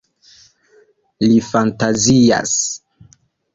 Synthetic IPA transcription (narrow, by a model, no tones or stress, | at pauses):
lifantazia̰s